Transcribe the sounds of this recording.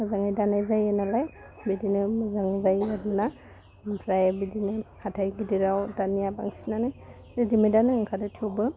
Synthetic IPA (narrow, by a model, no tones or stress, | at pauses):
mɯzaŋajdanajzajenalajbidinɯmɯzaŋzajadɯna | pɾajabidinɯkʰatʰajɡidiɾawdanijabaŋsinanɯj | edimajdanɯŋkʰadɯtʰiowbɯ